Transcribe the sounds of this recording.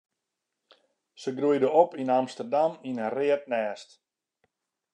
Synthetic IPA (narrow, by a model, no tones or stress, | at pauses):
səɡrujdəopinamstərdaminərɪət̚nɛːst